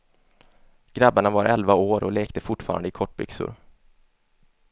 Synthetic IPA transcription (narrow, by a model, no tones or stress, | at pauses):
ɡ̥ɾabːaɳavaɾʔɛlvaoːɾɔleːkt̪əfʊʈfɑ̰ːɾa̰nd̪ɪkʰɔʈ̚ːbʏ̰ksʊ̰ɾ